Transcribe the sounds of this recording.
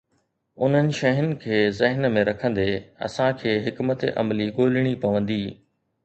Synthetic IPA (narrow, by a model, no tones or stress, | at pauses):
ʊn̤ənɪ̆ʃɐɦɪnɪ̆kʰeːzɐɦnmẽɾɐkʰə̃nd̪eːɐ̰sãkʰeːɦɪkmət̪ḛʔɐ̰mliɠoːlɪɽ̃ipɐʋə̃nd̪iː